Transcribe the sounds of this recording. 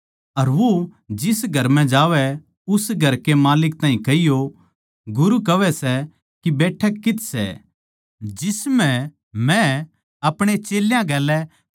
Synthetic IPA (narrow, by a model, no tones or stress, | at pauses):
ɐɾʋo | d͡ʒɪsɡʱɐɾmɛ̃d͡ʒaːʋɛ | ʊsɡʱɐɾkemaːlɪk̚t̪aːɦĩkɐɦijo | ɡʊɾukɐʋɛsɛ | kibɛːʈʰəkːɪt̪sɛ̰ | d͡ʒɪsmɛ̃ | mɛ̃ | ɐpɽ̃et͡ʃeːljãɡɛːlːɛ